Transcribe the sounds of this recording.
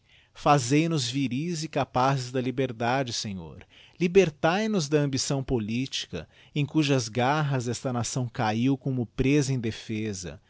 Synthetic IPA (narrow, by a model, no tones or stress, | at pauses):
fazejnʊzviɾizɪkapazɪzd̪ɐlibeɾd̪ad͡ʒɪsẽɲo̰ɾ | libeɾt̪ajnʊzd̪ɐɐ̃mbisɐ̃w̃polit͡ʃi̥kɐ̰ | ẽj̃kuʒɐzɡaɦɐzɛst̪ɐnasɐ̃w̃kaiwkõmʊpɾezɐẽj̃d̪efezɐ̰